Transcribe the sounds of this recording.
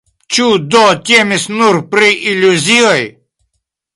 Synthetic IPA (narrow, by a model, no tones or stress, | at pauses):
t͡ʃud̪ɔt̪ʲemisnuɾpɾiʔilʲuzʲiɔj